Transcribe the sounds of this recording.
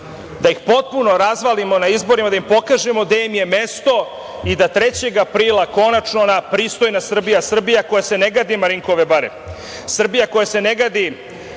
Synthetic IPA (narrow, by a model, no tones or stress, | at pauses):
d̪aixpo̞t̪̚puno̞ɾazʋalimo̞naizbo̞ɾimad̪aimpo̞kaːʒemo̞d̪emje̞me̞st̪o̞ | id̪at̪ɾet͡ɕe̞ɡapɾiːlˠako̞nat͡ʃnonapɾist̪o̞jnasr̩bijasr̩bijako̞jase̞ne̞ɡad̪imaɾiŋkoʋebaɾem | sr̩bijako̞jase̞neɡad̪i